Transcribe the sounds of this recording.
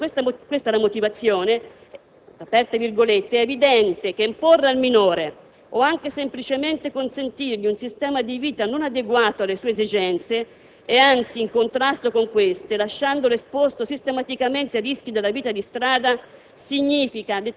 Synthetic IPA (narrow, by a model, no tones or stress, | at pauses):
west̪kwest̪alamot̪ivat̪sːjoːne | apɛrt̪evirɡolet̪ːeɛːvid̪ɛnt̪ek̟eimporːealminoːɾe | ɔaŋkesemplit͡ʃement̪ekonsent̪irʎiunsist̪ɛːmad̪iviːt̪anonad̪eɡwaːt̪oalːesuːeezid͡ʒɛnt̪seː | ant̪siːŋkont̪ɾast̪okoŋkwest̪elaʃːand̪olespost̪osist̪emat̪ikament̪erisk̟id̪elːaviːt̪ad̪ist̪ɾaːd̪a | siɲːiːfikad̪e